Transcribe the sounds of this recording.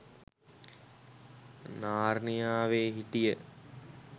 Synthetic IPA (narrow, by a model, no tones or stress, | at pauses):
naːrnijaːʋeːɦiʈijə